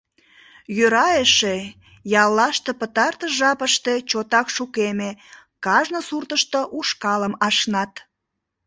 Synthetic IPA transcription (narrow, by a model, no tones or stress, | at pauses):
jøɾɑjeʃe | jɑlːɑʃt̪epət̪ɑrt̪əʒɑpəʃt̪e̽t͡ɕot̪ɑkʃukeme | kɑʒnosurt̪əʃt̪oʔuʃkɑləmɑʃnɑt̪